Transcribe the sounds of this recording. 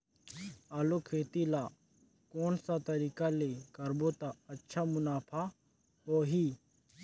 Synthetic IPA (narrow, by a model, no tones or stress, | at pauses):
aːlokʰeːt̪ila | koːnsat̪ɐɾiːkalekəɾboːt̪aɐtːʃʰaːmʊnaːpʰa | poːɦiː